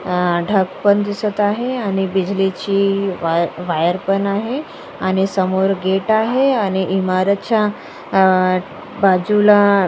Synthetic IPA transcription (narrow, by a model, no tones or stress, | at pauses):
ɖʱəkpənd̪isət̪aɦeañibid͡ʑlit͡ɕiʋʋajəɾpənaɦe | añisəmoɾɡeʈaɦeañiʔimaɾət̪t͡ɕa | bad͡ʑula